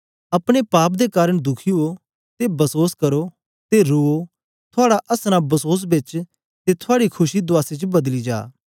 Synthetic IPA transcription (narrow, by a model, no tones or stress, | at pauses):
ɐpɽ̃epaːp̚d̪ekaːɾəɽ̃d̪ʊkʰio | t̪ebɐsoːskɐɾo | t̪eɾuo | t̪ʰʊaːɽaʔɐsnãbɐsoːs̬bɪt͡ʃ | t̪et̪ʰoaːɽikʰʊʃid̪ʊaːsit͡ʃbɐd̪lid͡ʒa̰ː